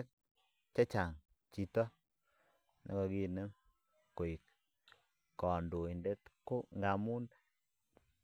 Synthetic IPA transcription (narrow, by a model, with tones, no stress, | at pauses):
k̚ | t͡ʃa˦t͡ʃa˨ŋ | t͡ʃi˨tɔ˦ | nɔ̰˨kɔ˨ki˦˨nə˦ŋ | ko˨i˨k̚ | kɔ˨ndo˨i˨nde˦tko˦ŋɡa˨mu˦nd